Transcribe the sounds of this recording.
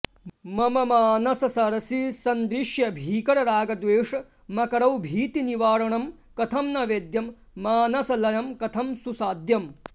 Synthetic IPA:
mɐmɐmaːnɐsɐsɐɾɐsisɐnd̪ɾiʃjɐbʱiːkɐɾɐɾaːɡɐd̪ʋeːʂɐ | mɐkɐɾɐwbʱiːt̪iniʋaːɾɐɳɐm | kɐt̪ʰɐmnɐʋeːd̪jɐmː | aːnɐsɐlɐjɐmkɐt̪ʰɐmsusaːd̪jɐm

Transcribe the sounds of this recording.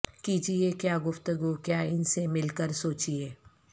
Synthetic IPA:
kiːd͡ʒiekjaːɡʊft̪əɡukjaːɪnsemɪlkəɾsoːt͡ʃieː

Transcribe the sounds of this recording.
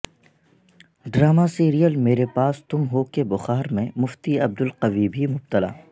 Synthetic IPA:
ɖɾaːmasiːɾijəlmeːɾepaːst̪ʊmɦokebʊxaːɾmẽmʊft̪iɐb̚d̪ʊlqɐʋibʱimʊb̚t̪əla̰ː

